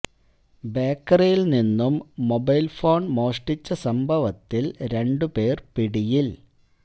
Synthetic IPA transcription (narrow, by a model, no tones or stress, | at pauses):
beːkːɐrijilninːumːobɐjlfo̞ːɳɖmo̞ːʂʈit͡ɕːɐsɐmbʱɐʋɐt̪ːilɾe̞ɳɖɨpe̞ːrpiɽijil